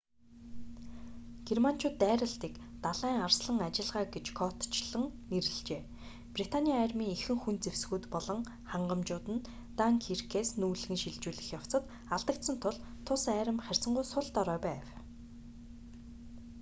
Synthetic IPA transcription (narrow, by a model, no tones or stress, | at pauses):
ɡ̥erman̥t͡ɕʰʊːt̪ːæːɾə̆ɬt̪iːkt̪aɮæːŋarsɮə̆ŋat͡ɕɪ̆ɮʁaːɡet͡ɕkʰɔt̪t͡ɕɮə̆ŋneɾɘ̆ɮt͡ɕeː | prit̪ʰanʲiaæːrmiːŋexɘ̆ŋxunt͡sewsɣuːt̪pɔɮɞ̆ŋ | χaɴɢə̆mt͡ɕʊːt̪ɘ̆n | t̪aŋkʰirkʰeːsnuːɮɣɘ̆ŋʃiɮt͡ɕuːɮɘ̆xjaw̥t͡sə̆t̪ | aɮt̪ə̆k̚t̪sə̆nt̪ʰʊɮt̪ʰːʊsæːɾə̆mχær̥ʲsə̆ɴɢʊjsʊɮt̪ɔɾœːpæːw